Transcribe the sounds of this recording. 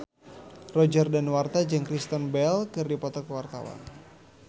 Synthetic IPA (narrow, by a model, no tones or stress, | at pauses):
rɔd͡ʒərdanwart̪ad͡ʒəŋkɾist̪ənbɛlkɨrdipɔt̪ɔkəwart̪a̰wa̰n